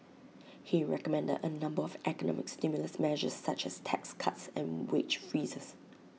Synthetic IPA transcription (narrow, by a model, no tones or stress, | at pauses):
hiɹɛkəmɛ̃ndə̰dənãmbəɔvʔɛkənɔ̰mɪkstɪmjʊləsmɛʒə̰sːat͡ʃɛstʰɛkskʰatsɛ̃nwet͡ʃfɹiːzəs